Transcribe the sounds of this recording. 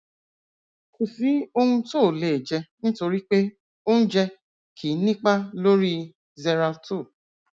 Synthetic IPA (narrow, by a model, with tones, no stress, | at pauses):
u˨si˨˦o˧hũ˧to˦˨le˨d͡ʒɛ˧nĩ˦to˧ɾi˦k͡pe˦ | o˦ũ˦d͡ʒɛ˧ | kʰi˨˦nĩ˦k͡pa˦lo˦ɾi˦ | zɛ˧ɾa˧tu˦˨